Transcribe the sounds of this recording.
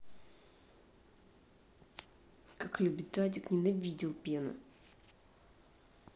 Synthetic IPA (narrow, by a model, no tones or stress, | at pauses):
kaklʲubʲɪt̪adʲɪknʲɪnɐvʲidʲɪlˠpʲenʊ̰